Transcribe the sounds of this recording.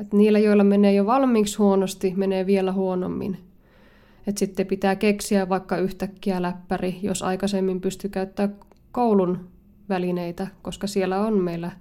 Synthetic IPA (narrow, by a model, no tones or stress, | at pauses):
et̪niːlːæjoilːˑɑmeneːjoʋɑlmiːkshuonost̪imeneːʋielæhuono̰mːḭn | et̪sit̪ːepit̪æːkeksiæʋʋɑikːɑyht̪ækːiælæpːærijo̰sɑ̰ikɑsemːimpyst̪ykæyt̪ːæːk | kowlun | ʋælineit̪ækoskɑsielːæonmeilːæ